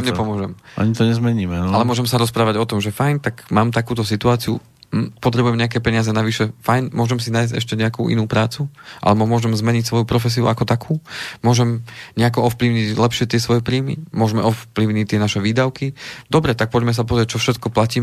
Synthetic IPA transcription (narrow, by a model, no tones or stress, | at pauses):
mɲɛpɔmʊɔʒɛmʔa̰ɲit̪ɔɲɛzmɛɲiːmɛnalɛmʊɔʒɛmsaɾɔspɾaːʋaɟɔt̪ɔmʒɛfajnt̪aɡmaːmt̪akuːt̪ɔsit̪uaːt͡siṵ | pɔt̪ɾɛbujɛmɲɛakɛpɛɲɪazɛnaʋiʃɛfajnmʊɔʒɛmsinaːjzɟɛ̰ʃcɛɲɛakṵːʔḭnuːpɾaːt͡suʔa̰lɛbɔmʊɔʒɛmzmɛɲicsʋɔjupɾɔfɛs̬iṵakɔt̪akʰuːmʊɔʒɛmɲɛakɔɔfpliʊɲiclɛpʃɪɛt̪ɪɛsʋɔjɛpɾiːmḭmʊɔʒmɛʔɔfpliʊɲict̪ɪɛnaʃɛʋiːd̪aʊkid̪ɔbɾɛt̪ak̚pɔɟmɛs̬ap̬ɔzɾɪɛc̚t͡ʃɔfʃɛt̪kɔplaciːm